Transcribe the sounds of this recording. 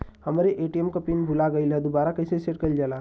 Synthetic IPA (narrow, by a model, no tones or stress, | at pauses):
hɐmɾeʔeːʈiɛmkapinbʱʊlaɡəilɦɛd̪obaːɾakɐɪseseʈkɐld͡ʒalaː